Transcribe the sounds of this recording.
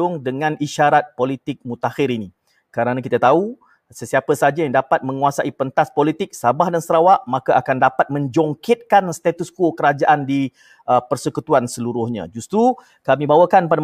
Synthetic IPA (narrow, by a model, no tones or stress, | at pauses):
ʊŋdəŋãniʃaɾat̪̚polit̪ɪk̚mut̪ahɪɾini | kəɾanãkit̪at̪au | səsiapəsad͡ʒajaŋdapat̪̚mə̃ŋuasaʔipənt̪aspolit̪ɪk̚sabahdansəɾawaʔmãkaʔakandapat̪̚mə̃ɲd͡ʒɔŋkɪt̪̚kanst̪at̪uskokəɾad͡ʒaʔandi | əpərsəkut̪uansəluɾʊhɲã̰d͡ʒust̪ɾu | kamĩbawəkanpada